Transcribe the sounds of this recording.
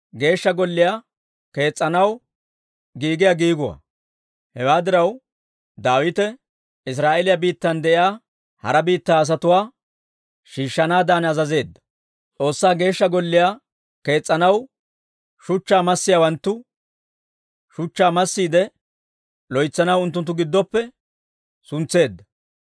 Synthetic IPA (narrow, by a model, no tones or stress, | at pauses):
ɡe̞ːʃːɐɡɔlːɪjaː | ke̞ːt͡sʼːɐnɐw | ɡiːɡɪjaɡiːɡʊwɐ̰ | hɛwaːd̪ɪɾɐw | d̪aːwɪt̪ɛ | ɪs̬ɾaːʔelɪjɐbiːt̪ːɐnd̪ɛʔɪjaː | hɐ̰ɾɐbiːt̪ːaːs̬ɐt̪ʊwaː | ʃiːʃːɐnaːd̪aːnɐzɐze̞ːd̪ːɐ̥ | t͡sʼo̞ːsːaːɡe̞ːʃːɐɡɔlːɪjaː | ke̞ːt͡sʼːɐnɐw | ʃʊt͡ʃːaːmɐsːɪjawɐnt̪ːʊ | ʃʊt͡ʃːaːmɐsːiːd̪ɛ | lɔjt͡sːɐnɐwʊnt̪ːʊnt̪̬ːʊɡɪd̪ːɔpːɛ | sʊnt͡sːe̞ːd̪ːɐ̥